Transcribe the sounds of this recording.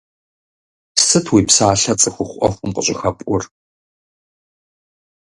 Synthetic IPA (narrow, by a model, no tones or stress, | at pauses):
psɨtʰwiːpsaːɬɐt͡sʼɨxʷʊχʷʔɔ̰xʷʼʊmqəɕʷʼɪxɐpʷʼʔʊr